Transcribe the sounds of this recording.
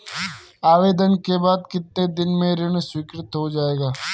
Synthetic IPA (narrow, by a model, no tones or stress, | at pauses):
aːʋeːd̪ənkeːbaːd̪kɪt̪ned̪ɪnmẽɾɪɳswɪːkɾɪt̪ɦod͡ʒaːeːɡaː